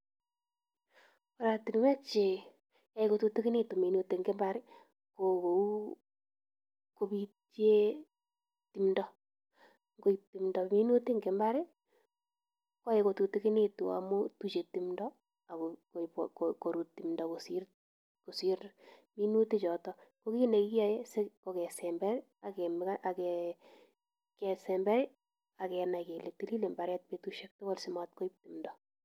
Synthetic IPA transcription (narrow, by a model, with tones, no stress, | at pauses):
pa˦ɾa˨ti˨n˦wɛ˦t͡ʃe˨ | ja˨˦e˦ko˧tu˧ti˦ki˦ne˦tu˨mi˨nu˧ti˨ŋɡɛ˦mba˦ɾɪ˦ | ko˨ko˨u˦ | ko˦bi˦te˦ | ti˦mndɔ˨ | ŋɡo˦i˨ti˨mndɔ˨mi˦nu˦ti˦ŋɡɛ˨mba˦ɾɪ˦ | ka˦e˨ko˨tu˨ti˦ki˦ne˦tu˨a̰˨mu˦tu˦t͡ʃe˨ti˦mndɔ | a˨kkko˨ɾu˨timndɔkosir | ko˨siɾmi˦nuti˦t͡ʃɔ˨tɔko˦ki˦ne˨ki˦jɔ˦jse˦ko˨kɛ˨sɛmbɛ˦ɾ | a˨kɛmaʔa˨kɛ | kɛ˨sɛ˨mbɛ˦ɾɪ˦ | a˨kɛna˨ke˨le˨ti˦li˦le˨mba˨ɾɛ˦t̚petuʃe˦k̚to˦ɡɔ˦lsɪma˨t̚ko˦ip̚timndɔ